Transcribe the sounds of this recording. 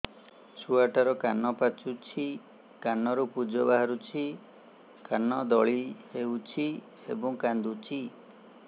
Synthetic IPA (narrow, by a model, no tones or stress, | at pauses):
t͡ʃʰuaʈaɾɔkanɔpat͡ʃut͡ʃʰi | kanɔɾupud͡ʒɔbaɦaɾut͡ʃʰi | kanɔd̪ɔɭiheut͡ʃʰi | ḛbɔŋkand̪ut͡ʃʰi